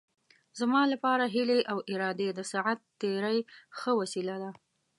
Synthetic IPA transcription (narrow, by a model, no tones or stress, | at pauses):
zmɑlapɑɾaɦɪleʔawʔɪɾɑd̪ed̪əsaʕat̪ːeɾajxəwasilad̪a